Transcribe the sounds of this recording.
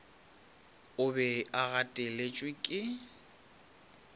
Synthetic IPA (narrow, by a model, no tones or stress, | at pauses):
ʊbɛaɣatʼɛlet͡ʃʼwɪkʼɪ